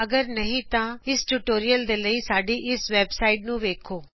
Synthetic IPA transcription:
ɐɡəɾnəɦĩt̪ãːɪsʈuʈoːɾijəld̪eːləiːsaːɖiːʔɪsʋɛːbsaːɪʈ̚nũːʋeːkʰoː

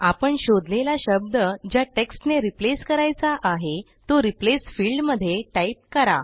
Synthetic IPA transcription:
apəɳɕod̪lelaɕəb̚d̪əd͡ʑjaʈeksʈneɾipleskəɾajt͡saʔaɦe | t̪oɾiplesfilɖməd̪ʱːjeʈaip̚kəɾa̰

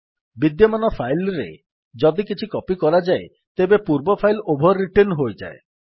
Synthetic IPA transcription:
bid̪jɔmanɔpʰajlɾḛ | d͡ʒɔd̪ikit͡ʃʰikɔpikɔɾad͡ʒae | t̪ebepuɾbɔpʰajlobʱɔɾːiʈenɦojd͡ʒa̰e

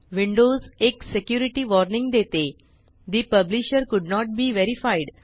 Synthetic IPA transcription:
ʋɪ̃ɳɖoːzeksekjuːɾiʈiʋɔɾnɪ̃ŋɡd̪et̪e | d̪ipəbliʃəɾkʊɖnɔːʈ̚biːʋeɾifaɪɖ

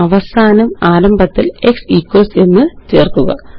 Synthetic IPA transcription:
ɐʋɐsaːnɐmaːɾɐmbʱɐt̪ːile̞ksikwɐlse̞nːɨt͡ɕe̞ːrkuɣɐ̰

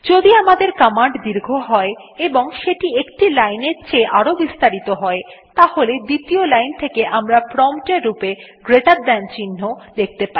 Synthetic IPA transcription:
d͡ʑod̪iamad̪eɾkamaɳɖd̪iɾɡʱoɦɔeeboŋʃeʈiekʈilajneɾt͡ɕeʔaɾobist̪aɾit̪oɦɔet̪aholed̪it̪iolajnt̪ʰekeʔamɾapɾɔmʈeɾupeɡɾeʈaɾd̪ɛnt͡ɕinːod̪ek̚ʰt̪epai

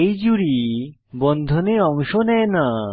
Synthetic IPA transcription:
ejd͡ʑuɾi | bɔnd̪ʱoneɔŋʃonɛena

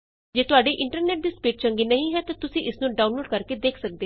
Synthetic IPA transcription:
d͡ʒeːt̪ʊaːɖeːʔɪ̃ɳʈəɾnɛːʈ̚d̪iːspeːʈ̚t͡ʃəŋɡiːnəɦĩːɦɛːt̪ãːt̪ʊsĩʔɪsnũːɖaːunloːɖkəɾkeːd̪eːkʰsək̚d̪eː

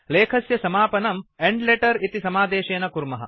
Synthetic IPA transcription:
leːkʰɐsjɐsɐmaːpɐnɐmeɳɖleʈɐɾit̪isɐmaːd̪eːʃeːnɐkuɾmɐɦɐ̰

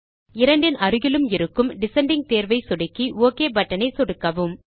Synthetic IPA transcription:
ɪɾɐɳɖɪnɐɾɯɣɪlɯmɪɾɯkːɯmɖɪsɐɳɖɪŋ̚t̪eːɾʋɐɪsɔɽɪkːioːkeːbɐʈːɐnɐɪsɔɽɯkːɐʋɯm

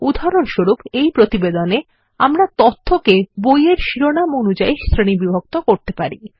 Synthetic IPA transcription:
ud̪ʱaɾonʃoɾupejpɾot̪ibed̪one | a̰mɾat̪ot̪ʰːokebojeɾʃiɾonamonud͡ʑaisɾenibibʱok̚t̪okoɾt̪epaɾi

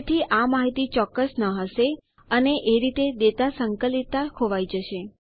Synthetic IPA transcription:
t̪ʰiʔamaɦit̪it͡ʃɔkːəsnəɦəʃe | əneʔeɾit̪ed̪et̪asəŋkəlit̪ːakʰoʋajd͡ʒəʃe

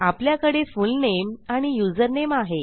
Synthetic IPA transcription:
apljakəɽefulnemaɽ̃ijud͡zəɾnemaɦe

